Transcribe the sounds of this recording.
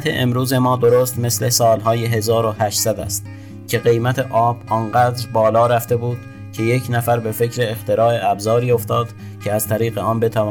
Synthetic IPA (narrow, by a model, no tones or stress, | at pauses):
t̪ʰḛʔḛmɾuːze̞mɒːd̪o̞ɾoːst̪me̞sle̞sɒːlɦɒːjeɦe̞zɒːɾohæʃsæd̪æ̰st̪ | cʰe̞ɢe̞jmæt̪ʰe̞ʔɒːb̥ɒːnɢæːd̪ɾbɒːlɒːɾæft̪e̞buːd̪̥ | cʰe̞je̞cʰnæfæɾbe̞fe̞cʰɾe̞ːxt̪e̞ɾɒːe̞æbzɒːɾiːo̞ft̪ɒːd̪̥ | cʲʰeæzt̪ʰæɾiːɣe̞ɒːnbe̞t̪ʰævː